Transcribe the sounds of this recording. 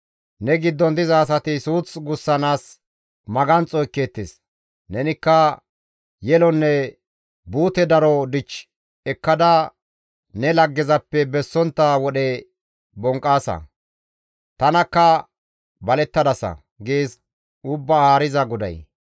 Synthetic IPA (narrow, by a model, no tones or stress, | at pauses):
nɛɡɪd̪ːɔnd̪ɪzɐːs̬ɐt̪ɪsuːt͡sɡʊsːɐnaːs | mɐɡɐnt͡sʼɔjkːeːt̪ːes | nɛnɪkːɐ | jɛlɔnːɛ | buːt̪ɛd̪ɐɾɔd̪ɪt͡ʃː | ɛkːɐd̪ɐ | nɛlɐɡːɪzɐpːɛbɛsːɔnt̪ːɐwɔɗɛ | bɔŋkʼːaːsɐ̰ | t̪ɐnɐkːɐ | bɐlɛt̪ːɐd̪ɐsɐ̰ | ɡeːs | ʊbːɐhaːɾɪzɐɡʊd̪ɐ̰j